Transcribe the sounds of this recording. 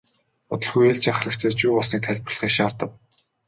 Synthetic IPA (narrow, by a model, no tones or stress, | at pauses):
ʊt̪ɞ̆ɮxujeːɮt͡ɕaχ̆ɮə̆kt͡ɕʰeːt͡ɕuːpʊɮsniːk̚t̪ʰæɮʲpə̆rɮ̆χiːkʃaːrt̪ə̆w